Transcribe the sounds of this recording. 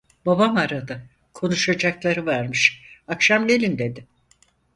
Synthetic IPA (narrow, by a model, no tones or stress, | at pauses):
babamaɾad̪a | kʰo̞nuʃad͡ʒaklˠaɾɯvæɾmɯʃakʃamɟe̞lʲind̪e̞d̪ɪ